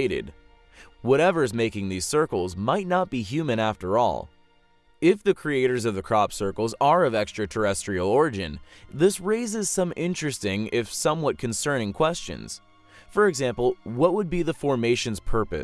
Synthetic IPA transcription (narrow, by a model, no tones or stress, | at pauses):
ɪɾɪ̰d | wʌɾɛvə˞zmeɪkɪ̃ŋðiz̥sɜ˞kl̩ˠzmaɪtⁿnət̚b̥iɦjʉmɨ̃næftə˞ɔ̰lˠ | ɪfðɨkʰɹ̥ieɪɾə˞zʌvðɨkʰɹ̥ɑpsɜ˞kl̩ˠzə˞ʌvɛkstɹ̥ɨtʰə˞ɛstɹ̥il̩ˠɔɹɨd͡ʒɨ̰̃nðɪsɹeɪzɨz̥sʌ̃mɪ̃nt͡ʃɹ̥ɨstɪ̃ŋɪfsʌ̃mwʌt̚kʰɨ̃nsɜ̃˞ñɪ̃ŋkʰw̥ɛst͡ʃɨ̰̃nz̥ | fə˞ɨɡzæ̃mpl̩ˠwʌt̚wəd̚biðəfɔɹmeɪʃɨ̃nz̥pʰɜ˞pɨ̰